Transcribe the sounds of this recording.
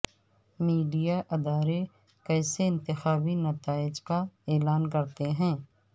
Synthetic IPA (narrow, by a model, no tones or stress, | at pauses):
miːɖijaʔɪd̪aːɾe | kɛːseɪ̃nt̪ɪxaːbinɐt̪aːɪd͡ʒkaɛːlaːnkɐɾt̪eɦɛ̃ː